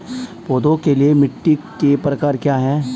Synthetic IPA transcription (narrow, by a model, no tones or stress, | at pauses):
poːd̪õkeliemɪʈːikepɾɐkaːɾkjaːɦɛː